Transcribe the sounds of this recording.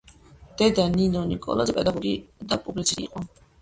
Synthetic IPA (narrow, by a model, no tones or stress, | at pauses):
d̪̥ɛd̪aninɔnikʼɔ̰lˠazɛpʼɛd̪aɡɔɾɡid̪apʼublit̪sʰiḭqʼɔ